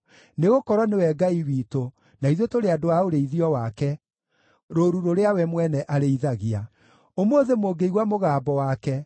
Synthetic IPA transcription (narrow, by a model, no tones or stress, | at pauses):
neɣokɔɾwɔnewɛɡaiwiːto | naiðotoɾeadoaoɾeiðiɔwakɛ | ɾoɾuɾoɾeawɛmwɛnɛʔaɾeiðaɣia | omoːðemoɡeiɣwamoɣaːbɔwakɛ